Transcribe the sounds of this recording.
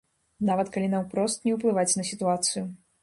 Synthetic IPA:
navɐt̪kalʲinawpɾɔst̪nʲɛwplˠɨvat͡sʲnɐsʲit̪uat̪sɨju

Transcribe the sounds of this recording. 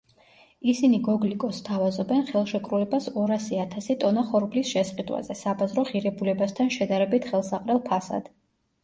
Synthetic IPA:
isiniɡɔɡlikʼɔst̪ʰavazɔbɛnχɛlˠʃɛkʼɾulɛbasɔɾasiat̪ʰasit̪ʼɔnaχɔɾɡlisʃɛsʼqʼid̪wa̰zɛsabazɾɔʁiɾɛbulɛbast̪ʰanʃɛd̪aɾɛbit̪ʰχɛlˠsaqʼɾɛlˠpʰasa̰d̪̥

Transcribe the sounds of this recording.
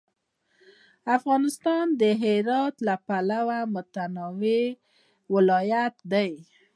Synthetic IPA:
afɣɑnɪst̪ɑnd̪əɦɪɾɑt̪lapalawamʊt̪anɑwe | wɪlɑjat̪d̪aj

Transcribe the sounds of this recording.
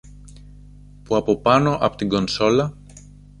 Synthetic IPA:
puɐpo̞pɐno̞ʔɐ̰po̥t̪iŋɡo̞nso̞lɐ

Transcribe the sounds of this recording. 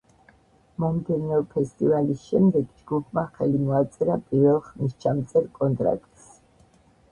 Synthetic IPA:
mɔmd̪ɛnɛɔpʰɛst̪ʼivalisʃɛmd̪ɛɡd͡ʒɡupʰmaχɛlimɔat̪sʼɛɾapʼiɾvɛlˠχmist͡ʃʰamt̪sʼɛɾkʼɔnt̪ʼɾa̰k̚ʰʼt̪ʼs

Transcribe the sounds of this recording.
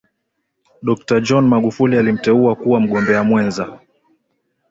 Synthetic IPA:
ɗɔk̚tad͡ʒɔnmaɠufulialim̩tɛuakuwam̩ɠɔmbɛamwɛnza

